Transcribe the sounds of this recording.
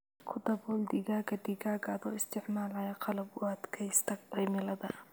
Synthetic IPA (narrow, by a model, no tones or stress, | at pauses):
kʰʊd̪ɐbɔːld̪ɪɣaːɡɐd̪ɪɣaːɡɐðɔːɪst̪ʰɪʕmaːlɐjɐqɑlɐbʊɐd̪kʰɛjst̪ʰɐqijmɪlɐðɐ